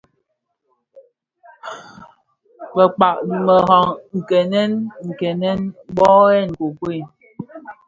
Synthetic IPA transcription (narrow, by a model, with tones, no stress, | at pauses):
bə˨k͡pa˨k̚mə˨ɦɔ˨ŋŋ̩˨kɛ˨nɛ˦nŋ̩˨kɛ˨nɛ˦nbɔ˦ɛ˦˨n̩˨ko˨kwe˦˨